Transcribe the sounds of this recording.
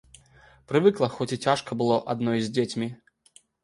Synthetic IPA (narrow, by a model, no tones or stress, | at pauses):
pɾɨvɨklˠɐxɔt͡sʲit͡sʲaʂkɐbɨlˠɔʔad̪nɔjzʲd͡zʲet͡sʲmʲi